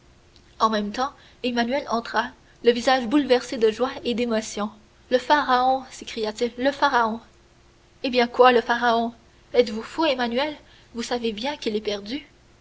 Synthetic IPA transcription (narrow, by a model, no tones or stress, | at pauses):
ɑ̃mɛmt̪ɑ̃ | emanyɛlɑ̃t̪χa | ləvizaʒbulvɛʁsed̪əʒwaed̪emɔsjɔ̃ | ləfaʁaɔ̃sekχijat̪ilːəfaʁaɔ̃ | ebjɛ̃kwaləfaʁaɔ̃ | ɛt̪vufoemanyɛl | vusavebjɛ̃kʲilɛpɛʁd̪y